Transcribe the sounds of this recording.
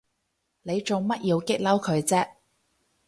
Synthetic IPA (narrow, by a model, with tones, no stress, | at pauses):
ne˨˧jt͡ʃo˨wmɐ˥t̚ʔjiː˨˧wkɪ˥k̚lɐ˥wkʰɵ˨˧ɥt͡sɛː˥